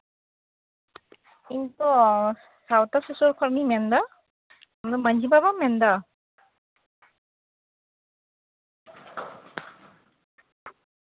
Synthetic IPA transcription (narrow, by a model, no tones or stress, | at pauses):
intɔ | sawtasusɔɾkʰɔɾmimɛnd̪a | amdɔmand͡ʒibaβamɛnd̪a